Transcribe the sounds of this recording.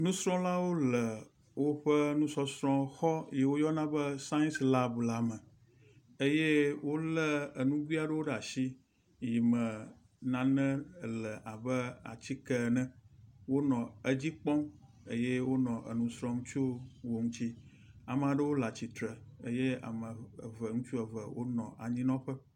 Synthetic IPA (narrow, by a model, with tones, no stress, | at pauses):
nũ˦sɾɔ̃˦la˦wo˦lə˨ | wo˦ɸə˦nũ˦sɔ˦sɾɔ̃˦xɔ˦ji˨wo˦jɔ˦nã˦bə˦sã˦ĩ˦nsla˦bla˦mə̃˨ | ə˦je˦wo˦lə˦ə˨nũ˦ɡʷi˦a˨ɖə˦wo˦ɖa˨ʃi˦ | ji˨mə̃˨ | nã˨nɛ̃˦˨lɛ˨ʔa˨bə˦a̰˨t͡ɕi˦kɛ˦˨nɛ̃˦wo˦nɔ̃˨ə˦d͡ʑi˦k͡pɔ̃˦m | ə˦je˦wo˦nɔ̃˨ʔə˨nũ˨sɾɔ̃˦ŋũ˦t͡ʃu˦wo˨ŋũ˦t͡ɕi˦ | a˨m˦˨a˨ɖə˦wo˦la˨t͡ɕi˨t̪ɾə˨ə˦je˦a̰˨mə̰̃˨və˨ŋũ˦t͡ʃu˦ə˨və˨wo˦nɔ̃˨ʔa̰˨ɲĩ˦nɔ̃˦ɸə˦